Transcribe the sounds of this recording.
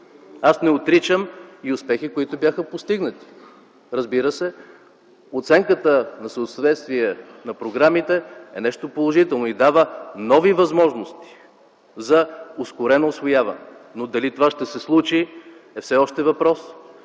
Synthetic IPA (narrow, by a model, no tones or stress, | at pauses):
asnɛot̪ɾit͡ʃəmiʊspɛxikʊit̪ʊbjaxəpost̪iɡnət̪i̥ | ɾəzbiɾəsɛ | ot̪sɛŋkət̪ənɐsəot̪svɛt̪st̪viɛnɐpɾoɡɾamit̪ɛɛnɛʃt̪opolˠoʒit̪ɛlˠnoid̪avənɔvivɐzmɔʒnost̪i̥ | zɐʊskʊɾɛnoːsvojavə̰nɛnod̪ɐlit̪ovaʃt̪ɛsɛslˠut͡ʃi | ɛfsɛɔʃt̪ɛvɐpɾɔs